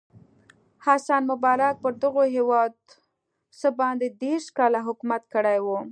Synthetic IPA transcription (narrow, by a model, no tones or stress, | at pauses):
hasɑnmʊbɑɾak̚pəɾd̪əɣoɦewɑd̪̚ | səbɑnd̪ed̪eɾʃkɑlaɦʊkumat̪̚kəɽajwu